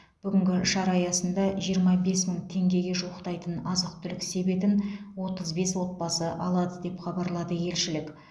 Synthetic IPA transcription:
b̥ʏɡʲɪŋɡʲɪʃɑɾɑjɑsənd̪ɑʒijəɾmɑbe̞sməɴt̪ʰe̞ŋɡʲe̞ɡʲe̞ʒuwəqt̪ɑjt̪ənɑzəq̚t̪ʰʏlɪkse̞be̞t̪ɪnwo̞t̪əzbe̞swo̞t̪̚bɑsəʔɑlˠɑd̪əd̪e̞pχɑbɑɾlˠɑd̪əje̞lʃɪlɪk

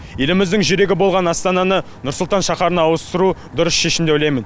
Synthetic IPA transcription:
je̞lɪmɪzd̪ɪŋʒʏɾe̞ɡʲɪbo̞lˠʁɑnɑst̪ɑnɑnə | nʊɾsʊlˠt̪ɑnʃɑχɑɾənɑːwəst̪əɾud̪ʊɾəsʃe̞ʃɪmd̪eojlɑjmɪn

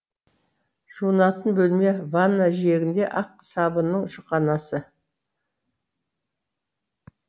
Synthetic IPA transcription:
ʒ̥uənɑt̪ənbɵlme̞vanːaʒije̞ɡʲɪnd̪e̞ʔɑqsɑbənːəɴʒʊqɑnɑsə

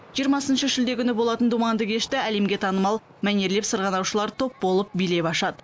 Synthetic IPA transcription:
ʒijəɾmɑsənʃəʃɪld̪e̞kʲʏnɪbo̞lˠɑt̪ənd̪umɑnd̪əkʲʰe̞ʃt̪ɪæle̞mɡʲe̞t̪ʰɑnəmɑlˠ | mæne̞ɾle̞psəɾʁɑnɑwʃəlˠɑɾt̪ʰo̞p̚bo̞lˠəp̚bijle̞pɑʃɑd̪ə

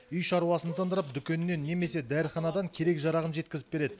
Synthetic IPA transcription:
ʏjʃɑɾuwɑsənt̪ʰənd̪əɾəp̚d̪ʏkʲe̞nnːenːe̞me̞se̞d̪æɾχɑnɑd̪ɑŋkʲʰe̞ɾe̞kʒɑɾɑʁənʒe̞t̪̚kʲɪzɪ̥p̚be̞ɾe̞d̪ɪ

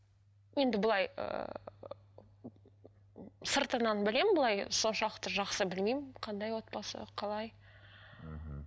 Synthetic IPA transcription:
je̞nd̪ɪbʊlˠɑjə̰ | səɾt̪ənɑnbɪle̞mɪnbʊlˠɑjso̞nʃɑlˠəqt̪əʒɑqsəbɪlmejmɪqʰɑnd̪ɑjwo̞t̪̚pɑsə̰qʰɑlˠɑj

